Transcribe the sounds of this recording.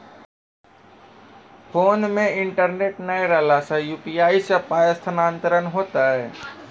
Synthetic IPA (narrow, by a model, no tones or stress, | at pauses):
pʰoːnmẽɪɳʈəɾneːʈnəeɾəlasajuːpiaːisɐpaːjəst̪ʰənãːnt̪əɾənɦoːt̪aɦɛː